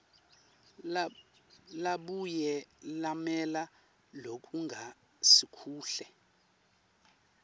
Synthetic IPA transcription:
laɓujɛlamɛla | lok̬ʼuŋɡʱa | sikʰuːɬɛ

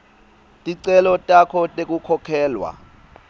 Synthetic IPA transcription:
tʼiǀɛlɔtʼakʰɔtʼek̬ʼukʰɔkʰɛːlwa̰

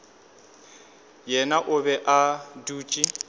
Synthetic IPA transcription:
jɛnaʔʊβɛʔaduːt͡ʃʼi

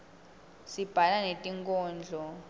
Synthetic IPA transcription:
sib̥ʱalanetʼiŋkʼɔːnd͡ɮʱɔ

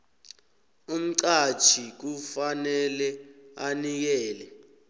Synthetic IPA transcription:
um̩ǀat͡ʃʰik̬ufanɛlɛanik̬ɛːlɛ

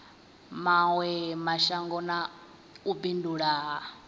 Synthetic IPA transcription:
mawɛmaʃaŋɡɔna | ubinduɺaɦa

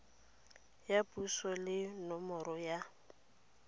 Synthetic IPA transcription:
japʼusɔlɪnɔmɔɾɔja

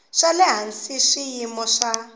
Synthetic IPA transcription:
ʂalɛɦansiʂijimɔʂa

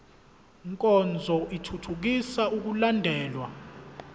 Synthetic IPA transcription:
ŋkʼɔnd͡zʱɔʔitʰutʰuk̬isauk̬ulandʱɛːlwa

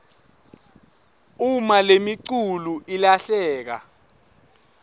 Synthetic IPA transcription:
umalemiǀuluʔilaɬɛːk̬a̰

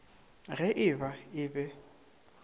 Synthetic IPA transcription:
ɣɛʔɪbaɪːbɛ

